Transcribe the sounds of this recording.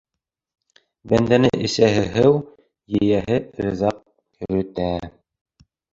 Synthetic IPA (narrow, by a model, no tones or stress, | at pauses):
bænd̪ænɘʔɘ̆sæɦɘ̆ɦɘw | jɘ̆jæhɘɾɤ̆zɑq̚ | kɵ̆ɾɵ̆t̪æ